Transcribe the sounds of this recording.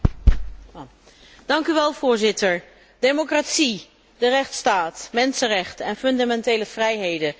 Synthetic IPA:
d̥ɑŋkyʋɛlˠv̥ʊːɹzɪtəɹ | dejmokratsi | dərɛχtstaːtmɛnsərɛχtəɛnfɵndamɛntejləv̥rɛjɦejdə

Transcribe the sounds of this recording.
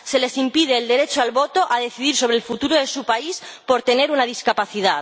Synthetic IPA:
se̞le̞simpið̞e̞ːld̪e̞ɾe̞t͡ʃoalβo̞t̪oʔað̞e̞θiðiɾso̞βɾelfut̪uɾoðe̞supaispo̞ɾt̪e̞ne̞ɾunað̞iskapaθiðað

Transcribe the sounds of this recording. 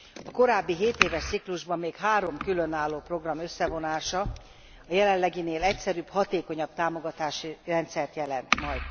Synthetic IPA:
ɒko̞ɾaːbːiɦeːt̪eːvɛʃt̪sikluʒbɒmːeːkɦaːɾo̞mkylø̞naːlːoːpro̞ɡrɒmø̞sːɛvo̞naːʃɒ | ɒjɛlɛnlɛɡineːlɛcsɛɾybhɒt̪eːko̞ɲɒb̥̚t̪aːmo̞ɡɒt̪aːʃirɛnt̪sɛrt̪jɛlɛnt̪mɒjd̪

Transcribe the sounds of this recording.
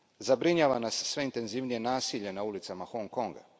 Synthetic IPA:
zabɾiɲaːʋanasːʋe̞int̪e̞nziʋnije̞naːsiːʎe̞naulit̪samaxoŋkoŋɡa̰

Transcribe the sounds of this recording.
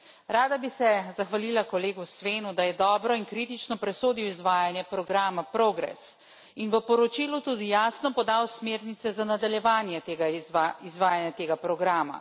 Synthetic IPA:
ɾaːd̪abisɛzaxʋalilakɔleːɡusʋeːnud̪ajɛd̪ɔːbɾɔinkɾit̪it͡ʃnɔpɾɛsoːd̪iwizʋaːjanjɛpɾɔɡɾaːmapɾoːɡɾɛ̰s | inʋəpɔɾɔt͡ʃilut̪uːd̪ijaːsnɔpɔd̪awsmeːɾnit̪sɛzanad̪aljɛʋaːnjɛt̪ːɡizʋaːjanjɛt̪eːɡapɾɔɡɾaːma̰

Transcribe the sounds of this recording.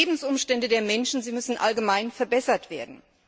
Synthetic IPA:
bm̩sʔʊmʃtɛndədeːɐmɛnʃn̩ziːmʏsn̩ʔalɡəmaɪnfɛɐbɛsɐtv̥eːɐdn̩

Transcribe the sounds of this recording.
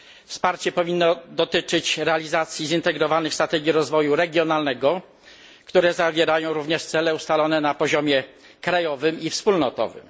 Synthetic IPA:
fspaɾt͡ɕɛpɔvʲinːɔd̪ɔt̪ɘt͡ʂɘt͡ɕɾɛalʲizat̪sʲjizint̪ɛɡɾɔvanɘxst̪ɾat̪ɛɡʲjiɾɔzvɔjuɾɛɡʲjɔnalnɛɡɔ | kt̪uɾɛzavʲjɛɾajɔ̃w̃ɾuvɲɛʂt̪sɛlɛust̪alɔnɛnapɔʑɔmʲjɛ | kɾajɔvɘmifspulnɔt̪ɔ̰vɘ̰m

